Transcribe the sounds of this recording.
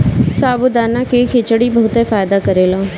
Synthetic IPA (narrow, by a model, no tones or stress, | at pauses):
saːbʊd̪aːnãːkeːkʰet͡ʃəɽiːbəɦʊt̪eːfaːjd̪aːkəɾeːlaː